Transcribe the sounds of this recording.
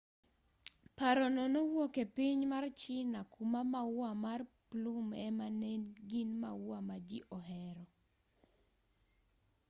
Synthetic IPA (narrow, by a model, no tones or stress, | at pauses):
paɾɔnɔnowokepiɲmart͡ʃɪnakumamawwamarplumɛ̰manɛnɡɪnmawamad͡ʒiʔɔɦɛɾɔ